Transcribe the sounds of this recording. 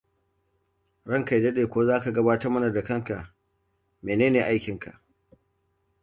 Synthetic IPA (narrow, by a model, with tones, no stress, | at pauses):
ɽɐ˦ŋka˨jdɐ˦ɗeː˨kʷoː˦zaː˦ka˨ɡɐ˦baː˦tɐ˦rmɐ˦na˨da˨kɐ˦ŋka˨ʔ | meː˨neː˦neː˨ʔa˦jkʲɪ˨ŋka̰˨ʔ